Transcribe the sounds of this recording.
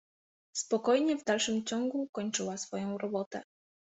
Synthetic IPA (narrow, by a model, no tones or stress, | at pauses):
spɔkɔjɲɛvd̪alʂɘmt͡ɕɔŋɡukɔɲt͡ʂɘwasfɔjɔ̃w̃ɾɔbɔt̪ɛ̰